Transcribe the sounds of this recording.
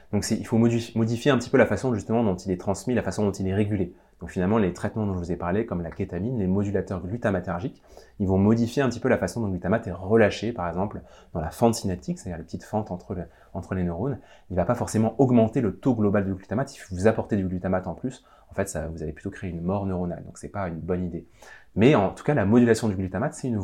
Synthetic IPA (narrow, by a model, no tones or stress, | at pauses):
d̪̥ɔ̃ksɛilfomɔd̪ifjeɛ̃pət̪i̥pølafasɔ̃ʒyst̪əmɑ̃d̪ɔ̃t̪ilɛt̪χɑ̃smilafasɔ̃d̪ɔ̃t̪ilɛʁeɡʲyle | d̪̥ɔ̃kfinalmɑ̃let̪χɛt̪mɑ̃d̪ɔ̃ʒəvuzɛpaʁlekɔmlakʲet̪aminlemɔd̪ylat̪œʁɡlyt̪amat̪aʁʒik | ilvɔ̃mɔd̪ifjeɛ̃pət̪ipølafasɔ̃d̪ɔ̃ɡlyt̪amat̪ɛʁəlaʃepaʁɛɡzɑ̃pl | d̪̥ɑ̃lafɑ̃t̪sinat̪ʰiksɛ̥t̪ad̪iʁlepə̥t̪it̪fɑ̃t̪ɑ̃t̪χə | ɑ̃t̪χəlenøʁon | ilvapafɔʁsemɑ̃ʔɔɡmɑ̃t̪elət̪oɡlɔbald̪yɡlyt̪amat̪ifvuzapɔʁt̪ed̪yɡlyt̪amat̪ɑ̃plys | ɑ̃fɛt̪savuzaveplyt̪okχeeynmɔʁnøʁona̰ld̪ɔ̃ksɛpaynbɔnid̪emɛɑ̃t̪u̥kalamɔd̪ylasjɔ̃d̪yɡlyt̪amat̪sɛtyn